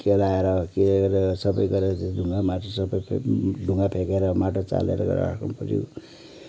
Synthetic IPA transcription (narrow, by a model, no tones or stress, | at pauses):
kelaeɾʌkelɡʌɾesʌbʌjɡʌɾeɾʌd͡zeɖʱuŋɡamaʈosʌbʌjpʰɖʱuŋɡapʰekeɾʌmaʈot͡sa̰lḛɾʌ̰ɡʌ̰ɾ̰a̰kumpʌɾjṵ